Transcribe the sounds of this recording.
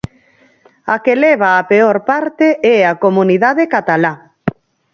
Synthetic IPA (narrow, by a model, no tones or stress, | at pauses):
akelɛβ̞aːpeoɾpaɾt̪eʔɛakomuniðaðekat̪ala